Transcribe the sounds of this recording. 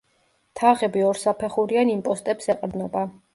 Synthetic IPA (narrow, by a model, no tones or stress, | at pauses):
t̪ʰaʁɛbiɔɾsapʰɛχuɾianimpʼɔst̪ʼɛpsɛqʼɾd̪nɔba